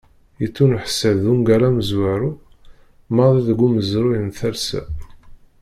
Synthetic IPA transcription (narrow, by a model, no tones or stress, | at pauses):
jit͡sːunuħsəðuŋɡæɾaməzwaɾu | mɑðˤiðɡuməzɾujənθæɾsæ̰